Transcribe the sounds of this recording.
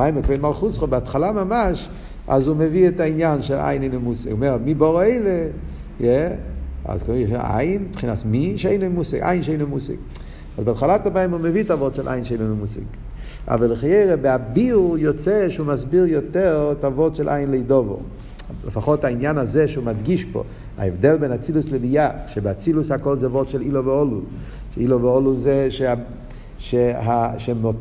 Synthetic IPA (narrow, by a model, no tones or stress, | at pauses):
majmukvenmalˠχusχobɪatχalamamaʃ | a̰zumeviɛtainjanʃɛlʔa̰jneɪnomusɪɡuːmɛʁmibɔʁeɪle | jɛ | a̰zka̰jinbχinasmiʃejnomusɪ̰ɡa̰jnʃejnomusɪ̰ɡ | azbɪatχalatamajmumevitaavɔtʃɛlʔa̰jnʃejnomomusɪ̰ɡ | a̰valəχajeɪʁebɪabiulˠjɔt͡sɛʃeumasbiʁjɔtɛʁtavɔdʃɛlʔajɪnleidɔvo̰ | lə̰faχɔthainjanazɛʃumadɡiʃbo̰ | a̰ɛvdɛlˠbɛnat͡silusləbijaʃɛbɪat͡silushakɔlˠzɛvɔdʃɛliloveɔlu | ʃiloveɔluzɛʃea | ʃeɦaʃɛmo